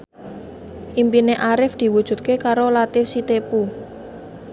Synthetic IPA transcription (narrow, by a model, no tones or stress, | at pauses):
ʔimpineʔaɾɪfd̪̥i̤wud̥ʒ̥ṳt̪̚kekaɾolat̪ɪfsit̪epu